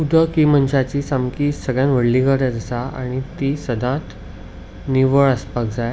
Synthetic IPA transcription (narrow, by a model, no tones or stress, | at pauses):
ud̪ʱəkimənɕat͡ɕisamkisəɡɭjãnʋəɽliɡəɾad͡z̪əsaa̰ɽ̃it̪isəd̪ʱãt̪ | niʋəɭəspak̚d͡zaj